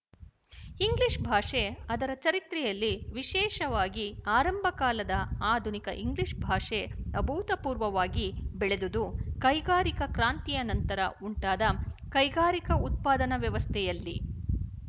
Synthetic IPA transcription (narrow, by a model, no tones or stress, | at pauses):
iŋɡliʂbʱaːʂeɐd̪ɐɾɐt͡ʃɐɾit̪ɾɛjɐlːiʋiʃɛːʃɐʋaːɡiaːɾɐmbʱɐkaːlɐd̪ɐaːd̪ʱunikɐ̰ʔiŋɡliʂbʱaːʂeɐbʱuːt̪ɐpuːɾʋɐʋaːɡibɛɭed̪ud̪ukɐjɡaːɾikɐkɾaːnt̪ijɐnɐnt̪ɐɾɐ̰uɳʈaːd̪ɐkɐjɡaːɾikɐut̪̚paːd̪ɐnɐʋjɐʋɐst̪ʰɛjɐlːi